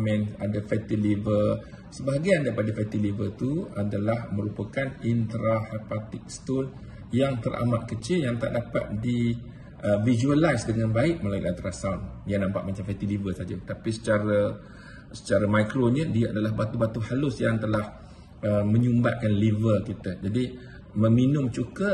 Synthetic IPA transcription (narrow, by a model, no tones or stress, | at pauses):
mɛ̃nadafɛt̪ilivə | səbaɦaɡiandapadafɛt̪ilivət̪uadalahmə̃ɾupakanint̪ɾahɛpat̪ɪk̚st̪on | jaŋt̪əɾʔa̰maʔkət͡ʃɪljaŋt̪a̰ʔdapa̰t̪̚di | ʔəvid͡ʒuəlajsdəŋãnbaɪʔməlajʊ̰ʔant̪ɾasawndijanãmpa̰ʔmat͡ʃamfɛt̪ilivəsad͡ʒat̪apisə̥t͡ʃaɾa | sə̥t͡ʃaɾamajkɾonəndiaʔadalaɦbat̪ubat̪uhalʊsjaŋt̪əlah | əmə̃ɲumba̰ʔ̚kanlivəkit̪əd͡ʒadi | mə̃minʊmt͡ʃukə